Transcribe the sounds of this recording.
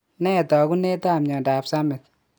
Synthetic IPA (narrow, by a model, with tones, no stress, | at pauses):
nɛ˦tɔ˨ku˦ne˦ta˦˨mɲɔ˨nda˨psa˦mɪ˨t̪̚